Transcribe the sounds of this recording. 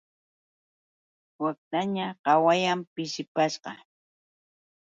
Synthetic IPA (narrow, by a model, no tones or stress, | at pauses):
wak̚t̪aɲaɢɑwajampɪʃɪpaʃɢɑ